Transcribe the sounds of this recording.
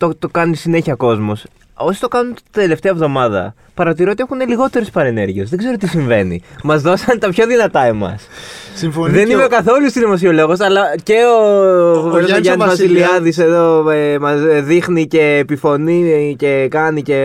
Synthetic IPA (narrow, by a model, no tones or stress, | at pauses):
t̪ot̪okɐnisine̞çiɐko̞zmos | o̞si̥t̪o̞kɐnunt̪i̥d̪e̞le̞ft̪eɐevðo̞mɐðɐ̰ | pɐɾɐt̪iɾiot̪ie̞xuneliɣo̞t̪e̞ɾuspɐɾene̞ɾʝiesðeɡze̞ɾo̞t̪̬isiɱve̞nḭmɐzðo̞sɐnt̪ɐpço̞ðinɐt̪ɐe̞mɐ̰sifðe̞nimekɐθo̞lust̪iðimos̬iolo̞ɣo̞sɐlɐce̞ooveɐʝɐɐnvɐsiliɐðise̞ðo̞emɐzðixnice̞ːpifo̞nice̞kɐnice̞